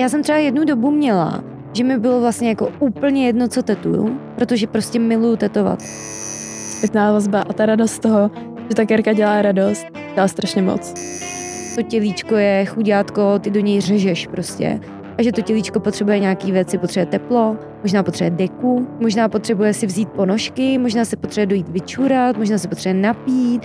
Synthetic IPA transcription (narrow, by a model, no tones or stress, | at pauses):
jaːsɛmt̪r̥ɛajɛdnudo̞bumɲɛla̰ | ʒɛmɪbɪlovlastɲɛjako̞uːpl̩ɲɛjɛdnot͡so̞t̪ɛt̪ṵjṵpɾot̪oʒɛpɾoscʲɛmɪlujut̪ɛt̪o̞va̰t̪ | spʲjɛt̪naːvazbaʔat̪aɾadost̪t̪oɦo | ʒɛt̪akɛɾkaɟɛlaːɾadost̪̚ | ɟ̥ɛlaːst̪ɾaʃɲɛmo̰t͡s | t̪o̞cɛliːt͡ʃko̞jɛxuɟaːt̪kot̪ɪdo̞ɲɛjr̝ɛʒɛʃpɾoscɛ̰ | ʔaʒɛt̪ocɛliːt͡ʃko̞po̞t̪r̥ɛbujɛɲaːkiːvjɛt̪t͡sɪpot̪r̥ɛbujɛt̪ɛplo̞ | moʒnaːpt̪r̥ɛbujɛdɛkumoʒnaːpot̪r̥ɛbujɛsɪvziːt̪̚po̞noʃkɪmoʒnaːsɛpot̪r̥ɛbɛdo̞jiːt̪vɪt͡ʃuɾat̪moʒnaːs̬ɛpo̞t̪r̥ɛbujɛnapiːt̪̚